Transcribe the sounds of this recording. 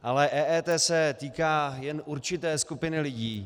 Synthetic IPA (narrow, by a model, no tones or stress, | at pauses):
ʔalɛʔɛːʔɛːt̪ɛːsɛt̪iːkaːjɛnʔuɾt͡ʃɪt̪ɛːskupɪnɪlɪɟiː